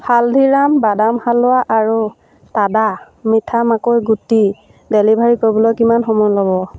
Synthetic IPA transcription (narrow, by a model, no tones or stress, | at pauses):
haldʱiɹambadamhalːʊaʔaɹu | tada | mitʰamakojɡuti | delibʱaɹikoɹbɔlɔjkimanxɔmɔjlɔbɔ